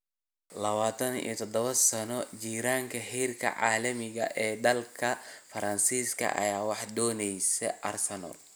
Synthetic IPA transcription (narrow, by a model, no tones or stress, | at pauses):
lɐβaːt̪ʰɐnḭːt̪ʰɔd̪ɔβɐsɐnɔt͡ʃiːɾaːŋkʰɐhiːrkʰɐ̰ʕa̰ːlɐmɪɣɐʔɛːd̪ɐlkʰɐfɐɾɐnsiːskʰɐ̰ʔɐ̰jaːwɑħd̪ɔːnɛjsɛʔɐ̰rsɛnɔ̰l